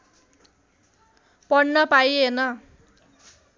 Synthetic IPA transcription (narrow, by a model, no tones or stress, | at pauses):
pʌɽnʌpajenʌ